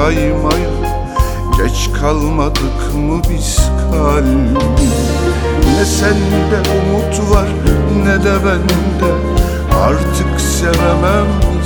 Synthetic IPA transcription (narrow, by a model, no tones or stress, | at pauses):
ɑjmɑj | ɡɛt͡ʃʰkʰɑlˠmɑt̪ʼɨkʰmɯbiskʰɑl | nɛsɛnb̪ɛʔumut̪ʰvɑɾ | nɛd̪ɛvɛn | d̪ɛ | ɑ̰ɾt̪ʰɨkʰsɛvɛmɛm